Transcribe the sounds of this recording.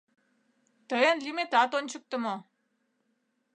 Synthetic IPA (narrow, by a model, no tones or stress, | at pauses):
t̪əjənlimet̪ɑt̪ont͡ɕək̚t̪ə̆mo